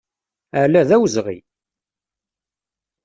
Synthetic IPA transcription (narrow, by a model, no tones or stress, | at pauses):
æɾlæðæwzʁḭ